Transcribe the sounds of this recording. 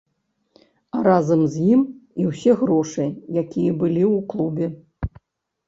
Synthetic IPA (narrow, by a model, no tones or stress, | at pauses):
aɾazɐmzʲjimiwsʲɛɣɾɔʂɨjakʲijɛbɨlʲiwklˠubʲɛ